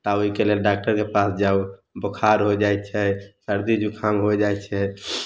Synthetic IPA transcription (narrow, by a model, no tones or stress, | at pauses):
t̪aoɦikelelɖak̚ʈəɾkepasd͡ʒaubəkʰaɾɦod͡ʒajt̪t͡ʃʰɛsəɾd̪id͡ʒukʰãmɦod͡ʒaɛtt͡ʃʰɛ